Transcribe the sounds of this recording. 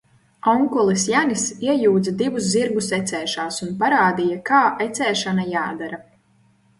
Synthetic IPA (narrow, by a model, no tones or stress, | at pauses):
ɔŋkɔlˠisjanisiɛjuːd̪zad̪ivusziɾɡusɛt̪sɛːʃaːsunpaɾaːd̪ijakaːʔet̪sɛːʃanajaːd̪aɾa